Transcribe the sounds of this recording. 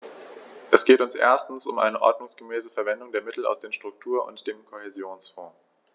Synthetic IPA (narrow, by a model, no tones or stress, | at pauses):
ʔɛsɡ̥eːtʊnsʔḛːɐstn̩sʊmʔa̰ɪnəʔɔ̰ɐdnʊŋsɡ̥əmɛːsəfɛɐvɛndʊŋdeːɐmɪtl̩a̰ʊsd̥eːɐnʃtʁ̥ʊk̚tʰuːɐʔʊ̰ntd̥eːmkʰohezjoːnsfɔ̰̃ː